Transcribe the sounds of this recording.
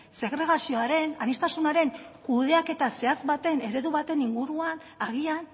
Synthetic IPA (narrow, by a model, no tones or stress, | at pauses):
se̞ɣɾe̞ɣ̞asio̞aɾe̞nanist̪asunaɾe̞ŋkuðe̞ake̞t̪ase̞azβat̪e̞ne̞ɾe̞ðuβat̪e̞niŋɡuɾuan | aɣ̞ian